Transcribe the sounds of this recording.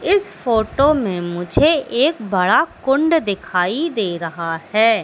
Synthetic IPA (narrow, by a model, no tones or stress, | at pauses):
ɪsfoːʈomẽmʊd͡ʒʱeʔeːkbɐɽakʊ̃ɳɖd̪ɪkʰaːid̪eːɾɐɦahɛː